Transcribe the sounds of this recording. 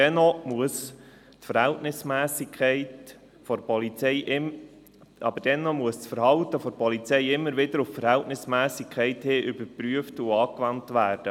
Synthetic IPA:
dɛnɔmuəs | tfəɾhɛltnɪsmæːsikʰχɛɪt | fɔɾpɔlit͡sɛɪʔ | ɑ̰bəd̥ɛnːɔmuəssfəɾhɑlt̪əfɔɾpɔlit͡sɛɪɪmːəɾʋɪd̪əɾʊfəɾhɛltnɪsmæːsikʰɛɪtheːʔʏbəɾpɾyəftuɑːkʋɑntʋæːrd̥ə

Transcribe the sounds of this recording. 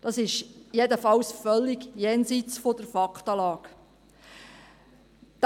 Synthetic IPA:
d̥ɑsɪʃjedəfɑwsfœlːiɡjɛːnsit͡sfod̥əɾfɑktɑːlɑːk | d̥

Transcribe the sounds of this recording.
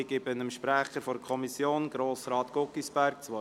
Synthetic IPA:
ɪɡ̥ɪbənəmʃpɾæχəɾfɔɾəkʰɔmisjoːnɡ̥ɾoːsɾɑːt̪ɡ̥ɔkːisbæɾk̚t͡sʋɔ

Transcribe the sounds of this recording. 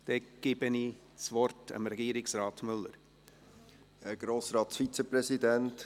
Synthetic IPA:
d̥ɛɡ̥ebəni | t͡svɔɾtɑ̰mɾɛɡiːɾɪksɾɑːtmʏlːə̰ɾ | əɡ̥ɾoːsɾɑːtsfit͡səpɾɛsid̪ɛnt

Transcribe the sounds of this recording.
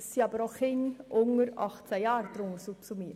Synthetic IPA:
siːɑbəɾoχɪŋʔʊŋəɾɑχt͡sæjɑːɾd̥̪ɾʊŋəsupsumiː

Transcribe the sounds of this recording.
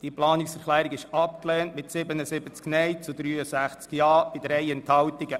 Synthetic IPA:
d̥iəplɑːnɪksfɛɾχlæːɾiɡɪʃɑp̚kleːntmɪtsɪbənəsɪbət͡sknɛɪt͡sud̪ɾyːəsæχt͡skjɑːb̥ɪdɾɛɪɛnthɑwtiɡə

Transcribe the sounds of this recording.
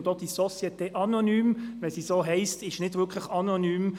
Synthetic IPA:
d̥od̥isɔsjɛt̪ɛːʔɑnonyːmʋɛsisoːɦɛɪstɪʃnɪd̥vɪkʰləχɑnonyːm

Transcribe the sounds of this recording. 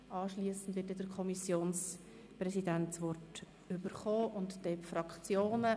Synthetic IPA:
ʔɑːʃliəsn̩dʋɪt̚dɛd̥əɾkʰɔmisjoːns | prɛsidæntt͡sʋɔrt | ʏbəɾχoːʔʊntd̥ɛpfɾɑkt͡sjoːnə

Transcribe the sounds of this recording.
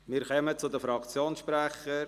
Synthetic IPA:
miːɾkœmət͡sʊd̪əfɾɑkt͡sjoːnsʃpɾɛχə

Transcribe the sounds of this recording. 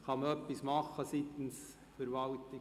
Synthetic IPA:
χɑməœpːismɑχːəsit̪ən̩s | fəɾvɑltɪ

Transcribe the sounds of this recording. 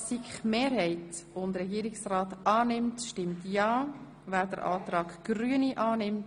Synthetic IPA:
sikχmeːɾɦɛɪtʊndɾɛɡiːɾɪksrɑːtʔɑːnɪmtʃtɪmtjɑː | væːɾdəɾʔɑ̰ːtɾɑːɡɡ̥ɾyəniʔɑːnɪmt

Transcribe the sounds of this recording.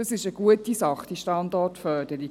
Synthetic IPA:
əsɪʃəɡ̥uətisɑχd̥iʃtɑndɔtfœːd̥əɾi

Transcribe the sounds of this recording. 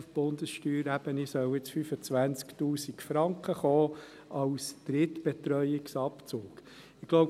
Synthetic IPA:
fb̥ʊnd̪əsʃtyːɾæb̥ənisœwɪt͡sfyfət͡sʋænt͡sktuːsikfɾɑŋkχəχɔː | ɑʊsd̪̥ɾɪt̪b̥ɛt̪ɾœʏɪksɑpt͡soːk | ɪɡ̥loʊ

